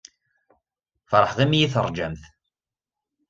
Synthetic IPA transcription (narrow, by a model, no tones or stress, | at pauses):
fɾˤəħʁimjiθəɾˤd͡ʒæmθ